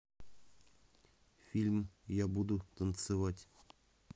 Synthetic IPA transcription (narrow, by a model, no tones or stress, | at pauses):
fʲilʲmjabud̪ut̪ənt̪sɨvatʲ